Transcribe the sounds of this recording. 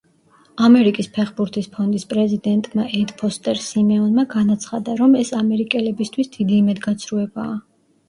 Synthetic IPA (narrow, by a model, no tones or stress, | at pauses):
amɛɾikʼispʰɛχbuɾt̪ʰispʰɔnd̪ispʼɾɛzid̪ɛnt̪ʼmaʔɛt̪ʼpʰɔst̪ʼɛɾsimɛɔnmaɡanat̪sʰχad̪aɾɔmɛsamɛɾikʼɛlɛbist̪ʰwisd̪̥id̪iːmɛd̪ɡat̪sʰɾuɛbaː